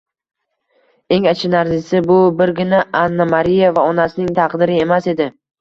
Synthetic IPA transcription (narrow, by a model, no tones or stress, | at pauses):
e̞ŋat͡ʃʰɪnaɾzɪsɪbʊbɪɾɡʲɪnaʔanːamaɾijavaɒnasɪnɪŋt̪ʰɑqd̪ɪɾɪe̞mase̞d̪ɪ